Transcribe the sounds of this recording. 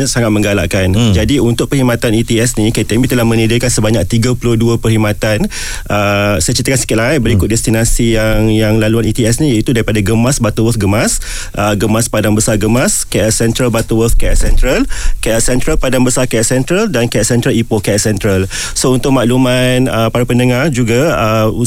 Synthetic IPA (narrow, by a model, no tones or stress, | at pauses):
ɲasaŋat̪̚mə̃ŋɡala̰ʔkand͡ʒadiunt̪ʊʔ̚pəhimat̪anit̪iɛsnĩket̪ɛmit̪əlahmə̃nidɪkansəbaɲak̚t̪iɡapuluduəpərhimat̪an | ʔəsat͡ʃit̪akansi̥kɪt̪̚laajbəɾikʊt̪̚dɛst̪inasijaŋjaŋlaluanit̪iɛsnijait̪udaɾipadaɡəmasbat̪uwət̪̚ɡəmas | ʔəɡəmaspadanbəsarɡəmaskaʔɛsɛnt̪ɾəlbat̪uwət̪̚kaɛʔsɛnt̪ɾəlkaʔɛsɛnt̪ɾəlpadanbəsarkaɛʔsɛnt̪ɾəldankaɛʔsɛnt̪ɾəlipokaɛʔsɛnt̪ɾəl | sount̪ʊk̚maʔlumanəpaɾapəndəŋard͡ʒuɡaəu